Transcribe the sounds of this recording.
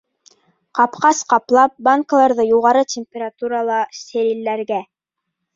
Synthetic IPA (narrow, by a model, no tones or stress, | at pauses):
qɑpqɑsqɑplˠɑp̚baŋkəlˠɑɾðɤjuʁɑɾɤtʲɪmʲpʲeɾat̪uɾɑlˠɑsʲeɾilːæɾɡæ